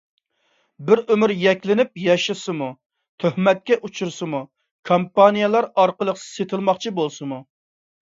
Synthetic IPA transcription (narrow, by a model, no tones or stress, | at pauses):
bɪɾømyɾjɛkʲlɪnɪp̚jɛʃɨsɨmu | t̪ʰøhmɛt̪̚kʲɛʔut͡ʃʰuɾsɨmu | kʰompɑnijɑlˠɑɾɑɾqəlˠəqset̪ʰɨlˠmɑχt͡ʃʰibolˠsɨmu